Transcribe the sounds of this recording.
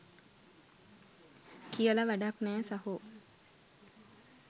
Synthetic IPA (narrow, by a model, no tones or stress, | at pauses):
kijələʋæɖaknæːsaɦu